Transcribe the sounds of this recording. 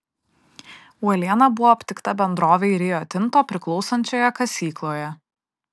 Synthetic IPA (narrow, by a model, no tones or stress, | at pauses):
uɐlʲiɛnɐbʊʋɔːɐpʲt̪ʲɪkt̪ɐbʲɛnd̪ɾoːʋʲɛɪɾʲɪjoːt̪ʲɪnˑt̪oːpʲɾʲɪklˠɒʊsɐnʲt͡ʃʲoːjɛkɐsʲiːklˠoːjɛ